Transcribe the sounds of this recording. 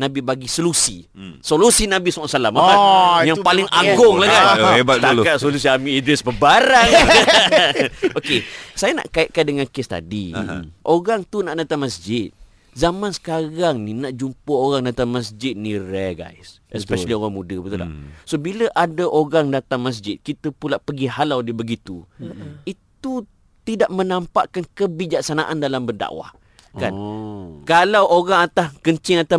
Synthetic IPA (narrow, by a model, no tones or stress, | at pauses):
nãbibaɡisolusi | solusinãbisuasalamaajaŋpalɪŋʔaɡʊŋlakanebat̪̚t̪alkat̪solus̬iamĩid̪vɛsbəbaɾaŋ | okesajana̰ʔkaɪʔ̪̚kandəŋãnkest̪a̰dḭʔoɣaŋt̪unaʔdat̪aŋmasd͡ʒɪt̪̚ | zamãnsə̥kaɣaŋninaʔd͡ʒumpəoɾaŋdat̪aŋməsd͡ʒɪt̪̚niɾaɡa̰jsɛsppɛʃalioɣaŋmudəbət̪ula̰sobiləʔadaʔoɾaŋdat̪aŋməs̬d͡ʒɪt̪̚kit̪əpulaʔpəɡiɦalawdibəɡit̪uit̪u | t̪idaʔmənampa̰ʔkankəbid͡ʒak̚sanaʔandalambərda̰ʔwa̰h | kankalawʔoɾaŋat̪akəɲt͡ʃɪŋat̪a